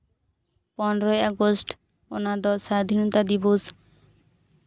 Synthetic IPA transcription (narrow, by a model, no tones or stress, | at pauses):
pɔnɾɔjaɡosʈ | o̰nad̪ɔsad̪ʱinɔt̪ad̪ibos